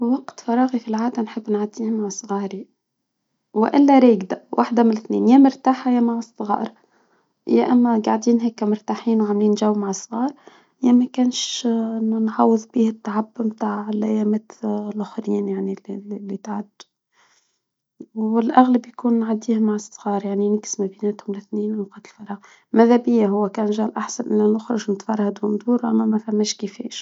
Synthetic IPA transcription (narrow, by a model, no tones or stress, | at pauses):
wɑqt̪fɑɾˤɑːɣifilʕaːd̪ænħəbːnʕad̪iːhmaʕsˤɣɑːɾi | wɪʔɪlːæɾeːɡd̪awʔaħd̪amɪnlθnḛːnjæmʊɾt̪aːħajamaʕɑsˤːɣɑ̰ːʔɾ | jæʔæmːæɡaʕd̪iːnɦeːkːæmʊɾt̪aːħiːnwʕamliːnʒawːmaʕsˤɣɑːɾˤ | jæmækæːnʃ | nħɑwːəðˤbiːhɪt̪ːaʕabːmt̪aːʕɪlʔæjaːmæt̪lʔʊxɾiːnjaʕnilːit̪ʕad̪ː | ɪlʔaɣlabjkuːnːʕad̪iːhmaʕəsˤːɣɑːɾˤjaʕninaksmæbinæt̪hʊmlɪθniːnnuqɑːt̪əlfɑɾˤɑːɣ | mæðæbɪjːaɦʊwːækæːnʒæːlʔaħsanʔɪlːæʔʊxɾˤɑʒnt̪fɑɾˤhad̪wʊnd̪uːɾʔæ̰mːæmæfæmːæːʃkifɛ̰ːʃ